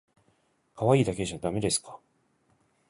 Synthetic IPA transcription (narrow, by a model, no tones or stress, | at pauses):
kaβaiːd̪ake̞ʑiad̪ame̞d̪e̞sɨ̥kḁ